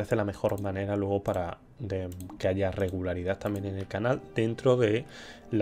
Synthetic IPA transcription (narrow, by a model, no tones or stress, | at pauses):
ɾeθe̞lame̞xo̞ɾmãne̞ɾalwe̞ɣ̞opaɾa | eke̞aʝare̞ɣulaɾiðat̪ambje̞nẽne̞lkanald̪̥e̞nt̪ɾo̞ðe̞ | l